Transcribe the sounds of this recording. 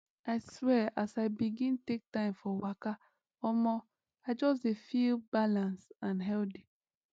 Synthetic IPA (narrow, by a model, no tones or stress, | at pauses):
aɪswɛʔasaɪbiɡĩntek̚tãɪ̃mfɔwaka | ɔmɔ | aɪd͡ʒɔs̬defilbalãnsãnɦɛldi